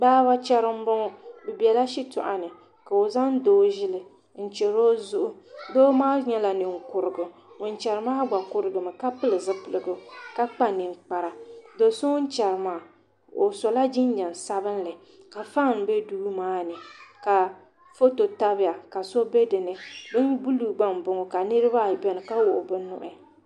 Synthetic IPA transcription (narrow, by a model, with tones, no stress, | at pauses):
baː˦ba˦t͡ʃɛ˦ɾɨ˦m̩˦bʊ˦ŋɔ˦bɛ˨bi˨ɛ˨la˦ʃi˦tʊ̰˨ʔa̰˨nɨ˨ | ka˨o˨za˦n˦doː˦ʒɪ˦lɨ˨ | n̩˦˨t͡ʃɛ˨ɾo˦zʊ˦ʔʊ˦doː˦maː˦ɲɛ˦la˨nɨ˨ŋ˨kʊ˨ɾɨ˨ɡʊ˨ʊ˨n˦t͡ʃɛ˨ɾɨ˨˦maː˦ɡ͡ba˨kʊ˨ɾɨ˨ɡɨ˨mɨ˨ka˦pɨ˦lɨ˨zɨ˦pɨ˨lɨ˨ɡʊ˨ka˦k͡pa˦nɨ˨ŋ˨k͡pa˨ɾa˨do˨so˦n̩˦t͡ʃɛ˨ɾɨ˨maː˨ | o˨so˨la˦d͡ʒɪ˦n˦ɲɛ˨n˨sa˦bɨ˦n˦lɨ˨ | ka˨fa˦ŋ˨n˨bɛ˦duː˦maː˦nɨ˨ka˨ | fo˦to˨ta˦bɪ˦ja˨ka˨so˦be˦dɨ˨nɨ˨bɨ˦nbu˦lu˨ɡ͡ba˦m˨bʊ˨ŋɔ˨ka˨nɨ˦ɾɨ˦ba˦˨bɛ˦nɨ˨ka˦wʊ˨ʔʊ˨bɨ˦nʊ̰˨ʔɪ˨